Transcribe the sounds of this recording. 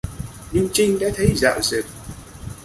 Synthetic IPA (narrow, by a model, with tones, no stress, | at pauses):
ɲi˧ŋt͡ɕï˧ŋɗa̰ː˧˥t̪ʰə˨˦jza̰ː˧˨wze˨˩p̚